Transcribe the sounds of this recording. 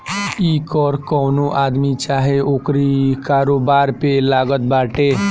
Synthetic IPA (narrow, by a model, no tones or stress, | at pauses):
iːkɔːɾkɔːnoʔaːd̪mit͡ʃaːɦeoːkɾikaːɾoːbaːɾpelaːɡət̪̚baːʈeː